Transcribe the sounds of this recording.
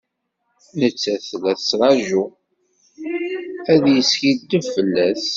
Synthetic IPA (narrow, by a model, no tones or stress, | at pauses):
nət͡sːæθlæθsɾˤɑʒu | æðjəsçid̪əvfəlːæθ